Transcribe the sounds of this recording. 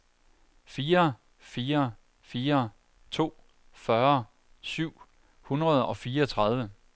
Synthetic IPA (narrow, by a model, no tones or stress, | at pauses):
fiːɐ | fiːɐ | fiːɐ | t͡sʰo̝̰ː | fɶɐ | syʊ̰ | hunʁɐð̞ˠɒ̽fiːɐt͡sʰʁɑ̈ð̞ˠʋə